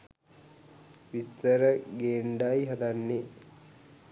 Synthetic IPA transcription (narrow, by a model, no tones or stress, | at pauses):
ʋist̪əɾəɡeːɳɖajiɦɐd̪anːe